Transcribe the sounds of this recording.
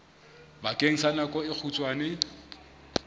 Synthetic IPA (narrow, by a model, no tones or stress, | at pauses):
bakʼeŋ̩sanakʼɔɪk͡xʰut͡sʼwaːnɪ